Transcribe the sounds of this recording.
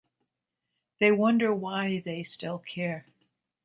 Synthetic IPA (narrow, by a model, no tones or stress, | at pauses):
ðeɪwʌ̃ndə˞waɪðeɪstɪlˠkʰɛɹ